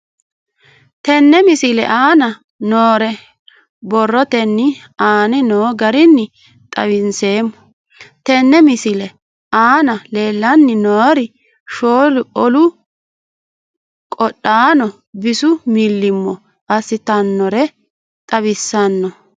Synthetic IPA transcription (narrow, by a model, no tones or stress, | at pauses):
t̪ɛnːɛmɪsɪlɛ̰ʔaːnɐ | noːɾɛ | bɔrːɔt̪ɛnːɪ | aːnɪnoːɡɐɾɪnːɪ | t̪ʼɐ̰βɪnse̞ːmːɔ | t̪ɛnːɛmɪsɪlɛ | aːnɐle̞ːlːɐnːɪnoːɾɪ | ʃoːlʊɔlʊ | kʼɔɗaːnɔ | bɪsʊmɪlːɪmːɔ | ʔɐsɪt̪ɐnːɔɾɛ | t̪ʼɐβɪsːɐnːɔ